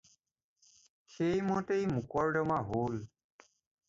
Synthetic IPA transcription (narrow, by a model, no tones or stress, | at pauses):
xejmɔtejmukɔɹdɔmaɦol